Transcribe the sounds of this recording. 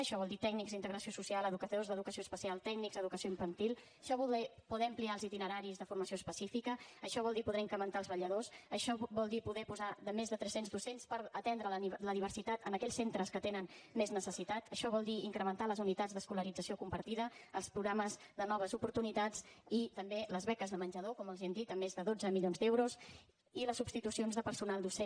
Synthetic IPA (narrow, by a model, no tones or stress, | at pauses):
əʃɔβɔlˠd̪it̪ɛɡ̚nikzint̪əɣɾəsiosusialˠəðukəozðəðukəsioəspəsialˠt̪ɛɡnikzəðukəsioiɱfənt̪ilˠ | ʃɔβuɛpuðɛəmpliaəlˠzit̪inəɾaɾizðəfurməsioəspəsifikəːʃɔβɔlˠd̪ipuðɛiŋkɾəmənt̪alˠzβəʎəðosəʃɔβɔlˠd̪ipuðɛpuzaðəmezðət̪ɾɛsenzd̪usenspəɾət̪ɛnd̪ɾələðiβəɾsit̪at̪ənəkɛʎssent̪ɾəskət̪enənmeznəsəsit̪at̪əʃɔβ̞ɔlˠd̪iiŋkɾəmənt̪aləzunit̪ad͡zðəskuləɾid͡zəsiokumpəɾt̪iðəːlˠspɾuɣɾaməz | ðənɔβ̞əzupuɾt̪unit̪at͡sit̪əmbeləzβɛkəzðəmənʲd͡ʒəðokɔməlˠziɛmd̪it̪əmːezðəðod͡zəmiʎonzd̪ɛwɾus | iləsːubst̪it̪usionzðəpəɾsunalˠd̪use